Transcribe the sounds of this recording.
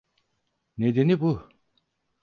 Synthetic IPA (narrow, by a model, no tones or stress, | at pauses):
ned̪enipu